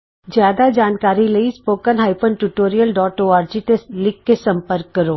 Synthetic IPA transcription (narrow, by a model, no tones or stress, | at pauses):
d͡ʒjaːd̪ad͡ʒaːnkaːɾilɐispoːkənɦaːɪpənʈuʈoːɾijəlɖɔːʈoːaːɾd͡ʒit̪eslɪkːesɐ̃mpəɾkːɐɾoː